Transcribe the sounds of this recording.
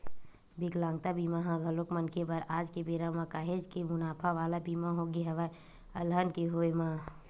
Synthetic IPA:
bɪklãːŋɡ̚t̪abiːmaɦãɡʱɐlokmɐnkebɐɾaːd͡ʒkebeːɾamãkaːɦed͡ʒkemʊnaːpʰaʋaːlabiːmaɦoɡiɦɐʋa | ɐlɦənkeɦoːemã

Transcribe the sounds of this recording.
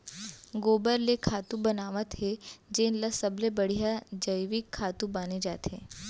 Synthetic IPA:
ɡobəɾlekʰat̪ũbənaʋət̪ɦed͡ʒenləsəblebəɽ̤ijad͡ʒəjʋikʰːat̪ubaned͡ʒat̪ʰe

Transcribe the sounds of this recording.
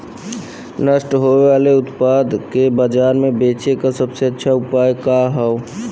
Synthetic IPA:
nəʃʈɦoʋeʋaːleʊt̪paːd̪ʱkebəd͡ʒaːɾmẽbeːt͡ʃekasəbseətːʃʰaʊpaːjkaɦɛo

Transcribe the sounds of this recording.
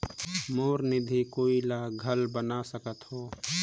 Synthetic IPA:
moːɾnɪd̪ʱikoːilaːɡʱəlbənasəkət̪hoː

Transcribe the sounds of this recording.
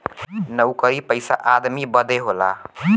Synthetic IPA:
nəwkəɾipəɪsa̰ʔad̪mibəd̪eɦola̰

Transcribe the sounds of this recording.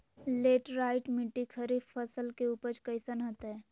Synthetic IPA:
leːʈɾaːɪʈmɪʈːikʰəɾifəsəlkeuːpəɾt͡ʃkɐɪsənɦɐt̪ɦɛː

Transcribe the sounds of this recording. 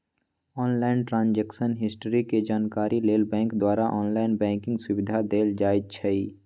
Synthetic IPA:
ɔːnlaːɪnʈɾãːnd͡ʒɛːksənɦɪsʈəɾiked͡ʒaːnkaːɾʔileːlbɛ̃ːŋkd̪waːɾaʔɔːnlaːɪnbɛ̃ːŋkɪ̃ŋɡsʊwɪd̪ʱad̪eːld͡ʒaːɪt̪̚t͡ʃʰəi

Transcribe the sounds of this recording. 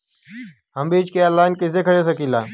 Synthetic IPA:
ɦəmbeːt͡ʃkeːəlːaːɪnkɪzeːkʰəɽeːs̬əkĩːlaː

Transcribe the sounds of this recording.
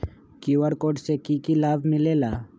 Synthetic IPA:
kiʋəɽkoʈsekikilaːbʱmɪlela

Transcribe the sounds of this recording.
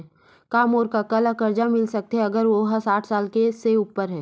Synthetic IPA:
kaːmoːɾkakɐləkɐɾd͡ʒamɪlsɐk̚t̪eɦɛ̃ɐɡəɾʋoɦəsaːʈʰsaːlkeseuːpːəɾɦɛː

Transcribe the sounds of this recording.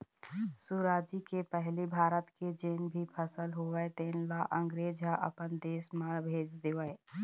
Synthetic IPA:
suɾaːd͡ʒikepəɦlibʱaːɾət̪ked͡ʒeːnbʱipʰəsəlɦoʋɛt̪eːnlaʔə̃ŋɡɾeːd͡ʒaʔə̰pənd̪eːsmãbʱeːd͡ʒd̪eːʋəe

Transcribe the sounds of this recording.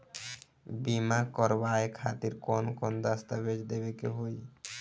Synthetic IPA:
bimakɔɾbaekʰat̪iɾkonkɔnd̪ast̪abed͡ʒd̪eβekeɦoj

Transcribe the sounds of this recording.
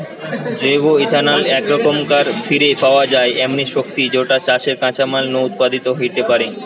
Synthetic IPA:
d͡ʑoboid̪ʱanalɛkɾɔkomkaɾfʰiɾepaoad͡ʑaeʔɛmniʃok̚t̪id͡ʑoʈat͡ɕaʃeɾkãt͡ɕamalnout̪̚pad̪it̪oɦiʈ̪epaɾe

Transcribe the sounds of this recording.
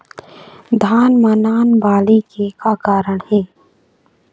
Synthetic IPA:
d̪ʱaːnmanaːnbaːlikekakaːɾəɽhɛː

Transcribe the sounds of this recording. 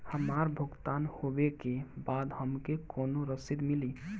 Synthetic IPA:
həmaɾbʱuɡt̪anhobekebad̪həmkekonoɾəsid̪mili

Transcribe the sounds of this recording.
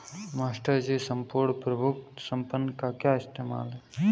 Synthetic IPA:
maːsʈəɾd͡ʒisɐmpoːɽpɾɐbʱuksɐmpənːkakjaːɪst̪eːma̰ːlɦɛ

